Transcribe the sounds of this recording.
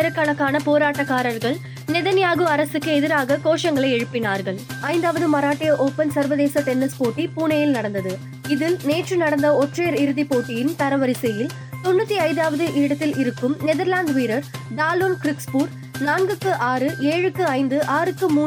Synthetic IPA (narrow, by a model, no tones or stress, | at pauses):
ɐɾɐkːɐɳɐkːaːnɐpoːɾaːʈːɐkːaːɾɐɾɣɐɭ | nɛðɐnjaːɣɯɐɾɐsɯkːɯɛðɪɾaːɣɐkoːʂɐŋɡɐɭɐɪɛɻɯpːɪnaːɾɣɐɭɐɪnd̪aːʋɐðɯmɐɾaːʈːɪjɐʔoːpɐnsɐɾʋɐðeːsɐʈɛnːɐskoːʈːipuːɳɐjɪlnɐɽɐnd̪ɐðɯ | ɪðɪlneːʈrɯnɐɽɐnd̪ɐɔʈreːɾɪɾɯðipoːʈːɪjɪnt̪ɐɾɐʋɐɾɪsɐjɪl | t̪ɔnːɯt̪ːiɐɪnd̪aːʋɐðɯʔɪɽɐt̪ːɪlɪɾɯkːɯmnɛðɐɾlaːnd̪ʋiːɾɐɾɖaːloːnkɾɪkspuːɾ | naːŋɡɯkːɯʔaːɾɯʔeːɻɯkːɯɐɪnd̪ɯʔaːɾɯkːɯmuː